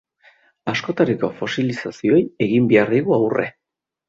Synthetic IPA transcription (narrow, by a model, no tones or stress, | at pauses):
asko̞t̪aɾiko̞fo̞silisasio̞je̞ɣimbe̞aɾðiɣuawre̞̰